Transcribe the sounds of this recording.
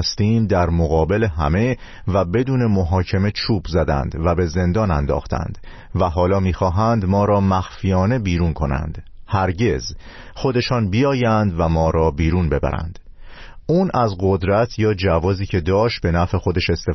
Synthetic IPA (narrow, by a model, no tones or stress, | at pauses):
st̪iːmd̪æɾmoɣɒːbe̞leɦæ̰me̞ | væbe̞d̪uːne̞moɦɒːcʰe̞me̞t͡ʃʰuːbzæd̪æ̰nd̪væbe̞ze̞nd̪ɒːnænd̪ɒ̰ːxt̪ʰæ̰nd̪̥ | væɦɒːlɒːmiːxɒːɦænd̪mɒːɾɒːmæxfijɒːne̞biːɾuːnkʰo̞næ̰nd̪̥hæɾɟe̞z | xo̞d̪e̞ʃɒːnbijɒːjænd̪væmɒːɾɒːbiːɾuːnbe̞bæ̰ɾæ̰nd̪̥ | uːnʔæzɢo̞d̪ɾæt̪ʰjɒːd͡ʒævɒːziːcʰe̞d̪ɒːʃt̪̚be̞næfe̞xo̞d̪e̞ʃe̞st̪e